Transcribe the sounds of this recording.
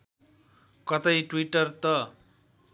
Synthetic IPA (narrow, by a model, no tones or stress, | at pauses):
kʌt̪ʌjʈwiʈʌrt̪ʌ